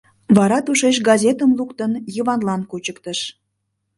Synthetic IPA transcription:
βɑɾɑt̪uʃeʃ̬ɡɑzʲet̪əmlukt̪ənjəβɑnlɑnkut͡ɕəkt̪əʃ

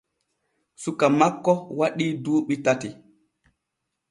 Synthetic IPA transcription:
sukːamakːɔwaɗiːduːɓitati

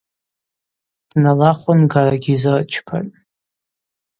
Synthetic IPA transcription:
d̥nalaχʷʊnɡaraɡʲizɨrt͡ʃʰpʰa̰tʼ

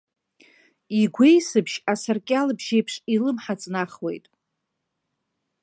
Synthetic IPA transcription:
iɡʷe̞jsɨbʰʃasarkʲʼalɨbʒejpʰʂilɨmħat͡sʼnaχwe̞̰jtʼ

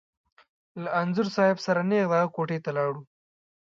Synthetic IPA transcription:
laːnzʊɾsɑːɪbsaɾaneɣd̪akoʈet̪alɑːɽu

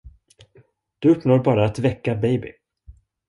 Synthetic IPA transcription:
d̪̥ɵɵpːnoːɾbɑːɾaːt̪vɛkːabɛjbɪ̰

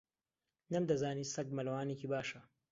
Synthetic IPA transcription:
nɐmd̪ɐzaːniːsɐɡmɐlɐwaːnekiːbaːʃɐ

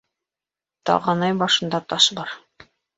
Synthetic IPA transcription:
t̪ɑ̰ʁɑnɑjbɑʃɤ̆nd̪ɑt̪ɑʃbɑɾ

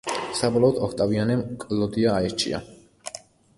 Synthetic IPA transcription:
sabɔlˠɔːd̪ʰɔkʰt̪ʼavianɛmkʼlɔd̪iaːɛɾt͡ʃʰʼḭa̰

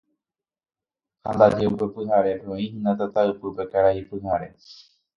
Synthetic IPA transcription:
hand̪ad͡ʒe̞upe̞pɨɦaɾe̞peõĩhɨ̃nd̪at̪at̪aɨpɨpe̞kaɾaipɨhaɾe̞̰

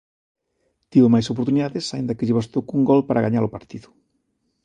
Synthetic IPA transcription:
t̪iβomajsop̬oɾt̪uniðaðesaind̪ɐkeʎeβast̪ukuŋɡɔlpaɾaɣaɲaɾopaɾt̪iðʊ

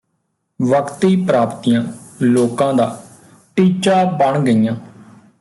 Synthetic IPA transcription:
ʋəkt̪iːpɾaːpt̪ijãːloːkãːd̪aː | ʈiːt͡ʃaːbəɳɡəijãː

